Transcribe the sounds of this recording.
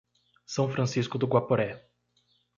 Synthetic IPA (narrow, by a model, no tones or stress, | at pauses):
sɐ̃w̃fɾɐ̃siskʊd̪ʊɡwapoɾɛ